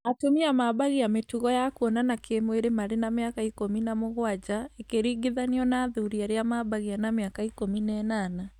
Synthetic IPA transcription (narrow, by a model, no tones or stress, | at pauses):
atomiamabaɣiametuɣɔjakuɔnanakʰemweɾemaɾenameakaikominamoɣwad͡ʑaekeɾiɡiðaniɔnaðuɾiaɾeamabaɣianameakaikominɛnana